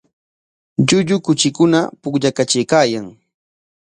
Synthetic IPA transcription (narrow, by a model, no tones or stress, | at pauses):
ʎʊʎʊkʊt͡ʃɪkʊnapʊkʎakat͡ʃɪjkaːjaŋ